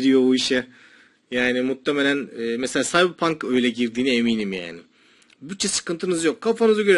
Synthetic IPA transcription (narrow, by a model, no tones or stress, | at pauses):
ɾijo̞uiʃɛ | jaːnimut̪ʰːemelʲænɛːmeselʲaːsajbɯpʰaŋkø̞jlʲɛɟiɾd̪iːniemiːnimja̰ːnɪ | byt̚t͡ʃʰːɛsɯ̥kɯnt̪ʰɯnɯzjo̞k̚kʰːafanɯzaɟøɾ